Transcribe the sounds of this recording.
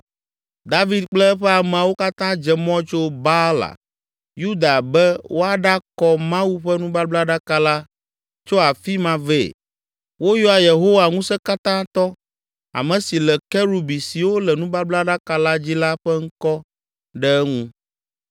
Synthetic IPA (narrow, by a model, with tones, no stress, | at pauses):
d̪a˦vi˨˦d̪k͡plɛ˦ɛ˦ɸɛ˦a˨mɛ̃˨wo˦ka˦t̪ã˦d͡ʒɛ˨mɔ̃˦t͡ʃo˦ba˦la̰˨ | ju˦d̪a˨bɛ˦wʔo˦a˦ɖa˦kɔ˦mã˦wu˦ɸɛ˦nũ˦ba˦bla˦ɖa˦ka˦la˦ | t͡ʃo˦a˨fi˦mã˨ve˦˨ | wo˦jɔ˦a˨je˨ɦo˦wa˨ŋũ˦sɛ˦ka˦t̪ã˦t̪ɔ˦ | a̰˨mɛ̃˨si˨lɛ˨kɛ˦ɾu˨bi˨si˨wo˦lɛ˨nũ˦ba˦bla˦ɖa˦ka˦la˦d͡ʑi˦la˦ɸɛ˦ŋ̩˦kɔ˦ | ɖɛ˦ŋũ˦